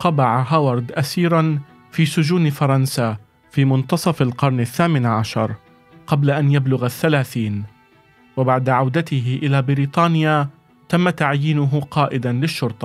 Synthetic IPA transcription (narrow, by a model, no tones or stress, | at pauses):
qɑbɑʕaɦawɑɾˤd̪ʔasiːɾˤɑn | fiːsʊd͡ʒuːnfɑɾˤɑnsa | fiːmʊnt̪ɑsˤɑfalqɑɾˤnaθːaːmɪnʕaʃɑ̰ɾˤ | qɑblaʔanjablʊɣaθːalaːθiːn | wɪbaʕd̪aʕawd̪at̪ɪɦɪʔɪlaːbɪɾiːt̪ˤɑːnɪja | t̪amːat̪aʕjiːnʊɦʊqɑːʔɪd̪anlɪʃːʊɾˤt̪ˤɑ